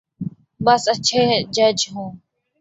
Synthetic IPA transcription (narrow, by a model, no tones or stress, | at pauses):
ɓəsət͡ʃʰeːd͡ʒəd͡ʒɦũː